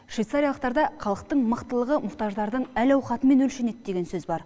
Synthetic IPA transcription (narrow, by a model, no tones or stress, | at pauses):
ʃvʲijt̪saɾijɑlˠəq̚t̪ɑɾd̪ɑqʰɑlˠəq̚t̪əɴməqt̪əlˠəʁəmʊχt̪ɑʒd̪ɑɾd̪əɴælɑwχɑt̪əme̞nɵlʃene̞t̪̚d̪e̞ɡʲe̞nsɵzbɑɾ